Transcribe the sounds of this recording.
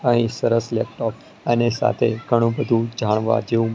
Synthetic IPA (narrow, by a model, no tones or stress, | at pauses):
əɦĩsəɾəslɛp̚ʈɔp | ənesa̰t̪ʰeɡʱəɽ̃ũbəd̪ʱũd͡ʒaɽ̃ʋa̰d͡ʒeũ